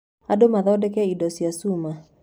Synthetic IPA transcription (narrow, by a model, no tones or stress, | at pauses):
adomaðɔdɛkɛidɔsjasuma